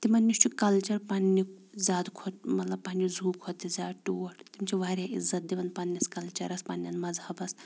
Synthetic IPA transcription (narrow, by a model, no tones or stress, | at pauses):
t̪imɐnːist͡ʃʰukɐlt͡ʃɐɾpaːnːizʲaːd̪kʰotmɐt̪lɐb̚paːnizʱuːkʰot̪ːizʲaːʈuːɐʈt̪imt͡ʃʰiʋaːɾʲjaʔḭzːɐt̪̚d̪iʋɐnpanːɐskɐlt͡ʃɐ̰ɾɐspaːnʲːɐnmɐzhɐbɐs